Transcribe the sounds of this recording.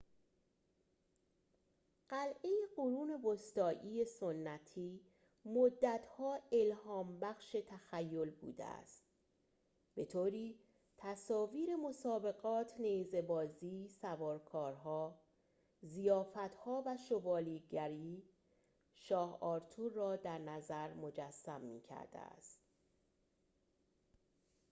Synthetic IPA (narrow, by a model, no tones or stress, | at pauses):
ɢ̥ælʔe̞jeɢoɾuːne̞vost̪ɒːʔiːje̞sonːæt̪ʰiː | mod̪ːæt̪ʰhɒːe̞lhɒːmbæxʃe̞t̪ʰæxæjːo̞lbṵːd̪ḛæ̰st̪̚ | b̥e̞t̪ʰoːɾiː | t̪ʰæsɒːviːɾe̞mo̞sɒːbe̞ɣɒːt̪ʰneze̞bɒːziːsævɒːɾkʰɒːɾɦɒː | zijɒːfæt̪hɒːvæʃo̞bɒːliːɡæɾiː | ʃɒːhɒːɾt̪ʰuːɾːɒːd̪æɾnæzæɾmo̞d͡ʒæsːæmːḭːcʰæ̰ɾd̪̥ḛæ̰st̪